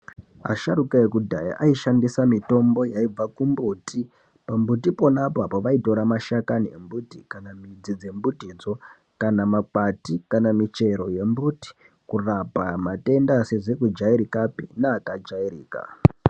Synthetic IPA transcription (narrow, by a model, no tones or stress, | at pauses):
a̰ʃaɾukajekudʱa̰ja̰ʔaiʃandisamito̞mbo̞jaib͡vakumbuti | pambutipo̞napoapoʋaito̞ɾamaʃakaniḛmbutikanamid͡zid͡ze̞mbutid͡zo̞ | kanamakatikanamit͡ʃe̞ɾo̞je̞mbuti̥ | kurapamate̞ndaseʐekud͡ʒaiɾikapinaːkad͡ʒairḭːka̰